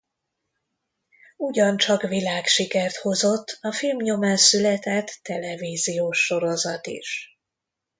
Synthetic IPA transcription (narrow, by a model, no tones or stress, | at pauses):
uɟɒnt͡ʃɒkvilaːkʃikɛrt̪ho̞zo̞t̪ːɒfilmɲo̞maːnsylɛt̪ɛt̪ːɛlɛviːzijoːʃːo̞ɾo̞zɒt̪ḭʃ